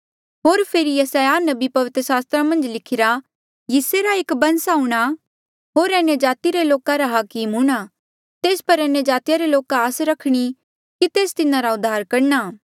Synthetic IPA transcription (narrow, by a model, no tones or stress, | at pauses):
ɦoːɾpʰeːɾijɐsaːjanɐbipɐʋɪt̪ɾəsaːst̪ɾamɐ̃nd͡ʒlɪkʰɪɾa | jiːseɾaɪkbɐ̃nsauɽ̃a | ɦoːɾɛned͡ʒaːt̪iɾeloːkaɾaɦaːkimɦũɽ̃a | t̪eːspɐɾɐnːed͡ʒaːt̪ijaɾeloːkaːsɾɐkʰɽ̃i | kit̪eːst̪ɪnãɾaʊd̪ʱːaːɾkɐɾɳaː